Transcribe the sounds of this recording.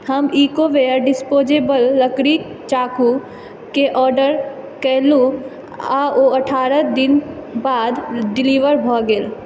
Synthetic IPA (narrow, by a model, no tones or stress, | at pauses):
həmiːkoʋeəɾɖɪspoːd͡ʒebəlːəkɾik | t͡ʃaːku | keʔɔːɾɖəɾ | kɛɦlu | aoəʈʰaːɾəd̪ɪnbaːd̪ɖɪliʋəɾbʱɔɡel